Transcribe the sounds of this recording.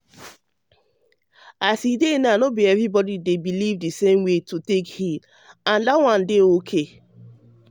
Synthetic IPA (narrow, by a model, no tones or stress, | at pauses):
asidenanobiɛvɹibɔdidebilivdisẽmwetutekhil | ãndawãndeokʰe